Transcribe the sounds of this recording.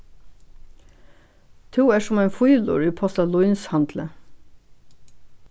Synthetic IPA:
t̪ʰuːæːʃʊmeːnfʊjʏlʊ̰ɹiːpʰɑsɑlʊʏnshɑnd̪lə

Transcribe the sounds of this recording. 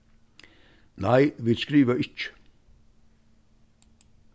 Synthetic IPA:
næɪʋɪskɾiːʋəʔɪt͡ʃə̥

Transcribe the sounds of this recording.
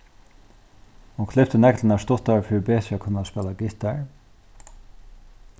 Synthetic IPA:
hʊnkʰlɪft̪ənɛkt̪lənast̪ʊt̪aɹfɪɾbeːt̪akʰʊnːaspɛːlaɡɪht̪aɹ

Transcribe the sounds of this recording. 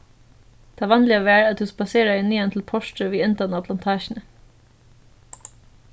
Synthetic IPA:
d̪̥eɑːʋɑnlɪɑʋæːɾɑt̪̚d̪ʉːspɑseːɾd̪æɪɪnyːənt̪ʰl̩pʰɔʃʈəʋiːɪnt̪ənɑpʰlɑnt̪ʰɑːʃnə

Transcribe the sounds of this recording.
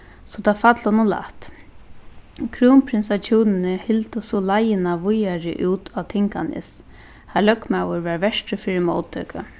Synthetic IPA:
sɔt̪ʰafat̪lhɔnʊla̰ht̪ | kʰɾuːmpʰɾɪnsat͡ʃʰuːnɪnɪhɪlt̪ʊsɔlajɪnaʋʊjaɾɪ̰ʔuːt̪ʰat̪ʰɪŋka̰nɪ̰s | halœkmawʊɹvaɹʋɛʂʈɪfɪːɾɪmo̰ːwt̪ʰːœ̰ːka̰

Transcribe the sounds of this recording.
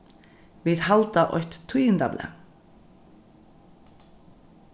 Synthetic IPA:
viðhalt̪aʔɔ̰çht̪t̪ʰːujɪnt̪a̰blɛ̰

